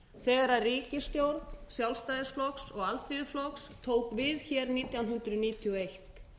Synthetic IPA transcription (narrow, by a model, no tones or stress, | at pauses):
θɛːɣaɾariːcɪst̪jowɾt̪nsjawlst̪aːjðɪsflɔksɔɣalfiðʏflɔkst̪ʰoːwkvɪðçɛɾniːt̪jawnɦʏnt̪ɾʏniːt̪ʰiɔejht̪